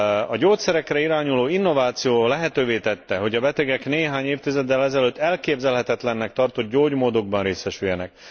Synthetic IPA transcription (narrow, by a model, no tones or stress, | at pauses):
ɒɟoːt̪sɛɾɛkrɛiɾaːɲuloːinːo̞vaːt̪sijoːlɛɦɛt̪øːveːt̪ɛt̪ːɛɦo̞ɟɒbɛt̪ɛɡɛkneːɦaːɲeːft̪izɛd̪ːɛlɛzɛløt̪ːɛlkeːbzɛlɦɛt̪ɛt̪lɛnːɛk̚t̪ɒrt̪o̞t̪̚ɟoːɟmoːd̪o̞ɡ̚bɒnreːsɛʃyjɛnɛk